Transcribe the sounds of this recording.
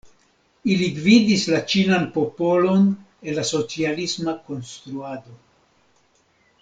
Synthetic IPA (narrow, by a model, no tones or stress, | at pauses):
ilidvidislat͡ʃinanpo̞po̞lo̞n | e̞lːaso̞t͡sialismako̞nst̪ɾuado̞